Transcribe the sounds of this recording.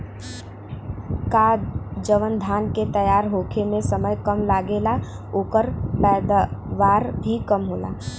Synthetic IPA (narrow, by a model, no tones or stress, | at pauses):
kad͡ʒəʋənd̪ʱaːnket̪əjaːɾɦoːkʰemẽsəməjkəmlaːɡeːla | oːkəɾpɛːd̪ʋaːɾbʱikəmɦoːla̰ː